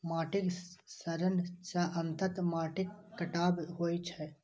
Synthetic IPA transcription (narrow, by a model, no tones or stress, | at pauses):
maːʈɪksəɾənɖt͡ʃaʔənt̪ət̪maːʈɪkːɐʈaːbɦoːit͡ʃʰɛ